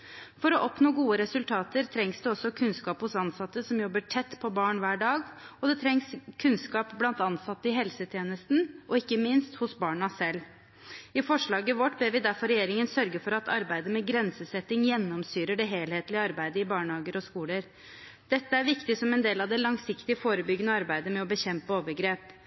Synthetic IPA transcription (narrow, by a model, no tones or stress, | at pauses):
fɔɾɔʔɔpnoːɡuːəɾɛsʉlt̪ʰɑːt̪əɾt̪ʰɾɛŋsd̪ʉɔsːɔkʰʉnskɑːphʊsɑnsɑt̪ːəsɔmjɔbːəʈʰɛt̪ːpʰɔbɑːɳʋæːɖɑːɡɔd̪ɛt̪ʰɾɛŋskʰʉnskɑːpblɑnt̪ɑnsɑt̪ːəɪɦɛlsət̪ʰjeːnəst̪n̩ɔɪkːəmɪnst̪hʊsbɑːɳɑsɛlː | ɪfɔʂɭɑːɡəʋɔʈbɛʋɪd̪æɾfɔɾɛjeːɾɪŋənsœɾɡəfɔɾɑt̪ʰɑɾbæɪd̪əmɛɡɾɛnsəsɛt̪ːɪŋjɛnːɔmsyːɾəɖɛɦeːlheːt̪lɪəɑɾbæɪd̪əɪbɑːɳhɑːɡəɾɔskuːləɾ | d̪̥ɛt̪ːəæɾʋɪkt̪ɪsɔmɛnd̪eːlɑʋd̪ɛlɑŋsɪkt̪ɪəfoːɾəbʏɡːənəɑɾbæɪd̪əmɛɔbəçɛmpəoːʋəɾɡɾeːp